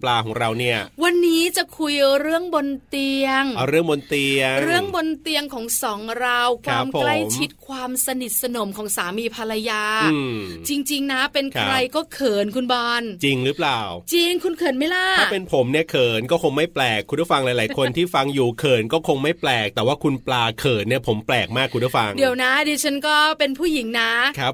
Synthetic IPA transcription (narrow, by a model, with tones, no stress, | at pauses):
plaː˧kʰɔː˩˦ŋɾa˧wni˥˩ɐwa˧nːiː˦˥t͡ɕa˨˩kʰu˧jɾɯ˥˩əŋbo˧nt̪i˧əŋ˧ɾɯ˥˩əŋbo˧nt̪i˧əŋɾɯ˥˩əŋbo˧nt̪i˧əŋkʰɔː˩˦ŋsɔː˩˦ŋɾa˧wkʰwʰaː˧˥˧mkpʰːola˥˦˩jmt͡ɕʰi˦t̪̚kʰwaː˧msa˧ni˨˩t̪̚sa˧no˨˩˦mkʰɔː˩˦ŋsaː˩˦miː˧pʰa˧la˧jaː˧ɯː˧˩t͡ɕi˧ŋt͡ɕi˧ŋna˦˥pe˧nkkʰɾa˧jkɔː˥˩kʰɤː˨˩nkʰu˧nbɔː˧nt͡ɕi˧ŋɾɯ˦˥˩plaː˨˩wt͡ɕi˧ŋkʰu˧nkʰɤː˨˩tn̚ma˥˩jlaː˥˩aː˥˩pe˧npʰo˨˩˦mni˥˩ɐkʰɤː˨˩nkɔː˥˩kʰo˧ŋma˥˩jplɛː˨˩kʰu˧nt̪ʰu˥˩fa˧ŋlaː˨˩˦jlaː˨˩˦jkʰo˧nt̪ʰiː˥˩fa˧ŋjuː˨˩kʰɤː˨˩nkɔː˥˩kʰo˧ŋma˥˩jplɛː˨˩k̚t̪ɛː˨˩waː˥˩kʰu˧nplaː˧kʰɤː˨˩t̪̚ni˥˩ɐpʰo˩˦mplɛː˨˩k̚maː˥˩kʰːu˧nt̪u˥˩fa˧ŋdi˩˦əwna˦˥diː˧t͡ɕʰa˦˥nkɔː˥˩pe˧npʰuː˥˩ji˩˦ŋna˦˥kʰa˦˥p̚